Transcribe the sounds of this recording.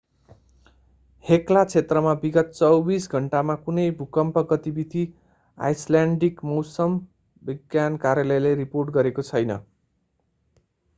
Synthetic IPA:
heklat͡sʰet̪rʌmabiɡʌt̪̚t͡sʌwbisɡʱʌɳʈamakunʌjbʱukʌmpʌɡʌt̪ibid̪ʱi | a̰jslaɳɖikmʌwsʌm | biɡjankaɾjalʌjleriporʈɡʌɾekot͡sʰʌjnʌ̰

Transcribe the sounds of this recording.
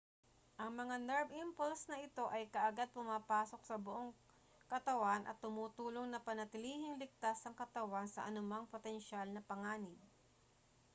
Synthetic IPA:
ʔɐŋmɐŋanɛɹbɪmpolsnɐʔɪt̪o̞ʔɐjkɐʔɐɡad̪̚pʊmaːpaːso̞k̚sɐbʊʔo̞ŋ | kɐt̪ɐwanʔɐ̰t̪ːʊmuːt̪uːlo̞ŋnɐpɐnɐt̪ɪliːhɪŋlɪk̚t̪asɐŋkɐt̪ɐwansɐ̰ʔɐnʊmaŋpot̪ɛnʃalnɐpɐŋaːnɪd̪̚

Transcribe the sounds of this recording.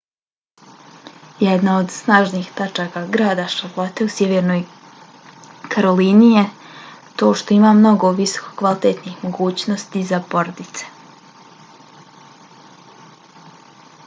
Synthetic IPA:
jed̪naod̪snaːʒniːxt̪at͡ʃakaɡɾaːd̪aʃavlˠot̪e̞usjeʋeɾno̞j | kʰaɾo̞liːnije | t̪o̞ːʃt̪o̞imamno̞ɡo̞ʋiso̥ko̥kʋalit̪et̪nixmo̞ɡuːt͡ɕno̞st̪izapo̞ɾod̪it̪se̥

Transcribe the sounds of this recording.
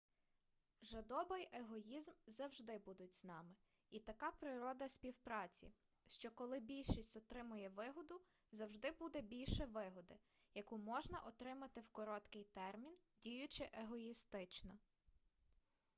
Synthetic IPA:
ʒɐd̪ɔbɪjeɦɔjizmzɐwʒd̪ɪbud̪ʊtʲznɑmɪ | it̪ɐkɑpɾɪɾɔd̪ɐsʲpʲiwpɾɑt͡sʲḭ | ʃt͡ʃɔkɔlˠɪbʲilʲʃisʲtʲɔt̪ɾɪmʊjɛʋɪɦɔd̪ʊ | zɐwʒd̪ɪbud̪ɛbʲilʲʃɛʋɪɦɔd̪ɪ | jɐkumɔʒnɐʔɔt̪ɾɪmɐt̪ɪwkɔɾɔt̪kɪjt̪ɛrmʲindʲijʊt͡ʃɪʔeɦɔist̪ɪt͡ʃnɔ

